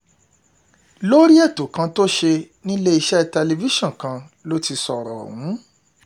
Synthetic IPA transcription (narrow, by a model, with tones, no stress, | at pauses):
lo˦ɾi˦ɛ˦˨to˨˦kã˧to˦ʃe˧nĩ˦le˦i˧ʃɛ˦˧tɛ˧le˧vi˦ʃɔ̃˦˨kã˧ | lo˦ti˧sɔ˨ɾɔ̰˨ɔ̰˨wũ˨˦